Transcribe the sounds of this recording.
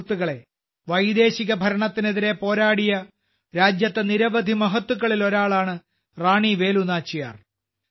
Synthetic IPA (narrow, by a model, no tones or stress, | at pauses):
t̪ːuɣɐɭe̞ | ʋɐjd̪e̞ːɕiɣɐbʱɐɾɐɳɐt̪ːine̞ðiɾe̞po̞ːɾaːɽijɐ | ɾaːd͡ʑjɐt̪ːeniɾɐʋɐd̪ʱimɐɦɐt̪ːuɣɐɭilo̞ɾaːɭaːɳɨ | raːɳiʋe̞ːlunaːt͡ɕːija̰ːr